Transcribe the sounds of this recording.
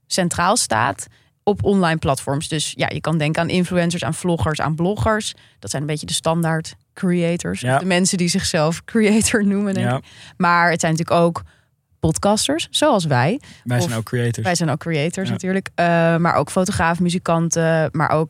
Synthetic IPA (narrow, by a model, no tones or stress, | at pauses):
sɛntraːlˠsta̰ːt | ɔpʰɔnlɑjnplɑtfɔɹmsdɵsja̰ːjə̰kɑndɛŋkəaːnʔɪnfluɛns̬əɹsa̰ːnv̥lɔχəɹsa̰ːnblɔχəɹs | d̥ɑtsɛjnəmbejçədəstɑndaːɹt | kriejtəɹsdəmɛnsədizɪχsɛlˠfkriejtəɹnumədɛŋkɪkmaːɹətsɛjnt̬yːləkowk | pɔtkɑstəɹsz̥owɑlˠs̬ʋɛj | krietʋɛjzɛjnɔlkriejtəɹsnatyːɹləkma̰ːɹʔo̰wkfowtoχraːfmyzikɑntəma̰ɹʔowk̚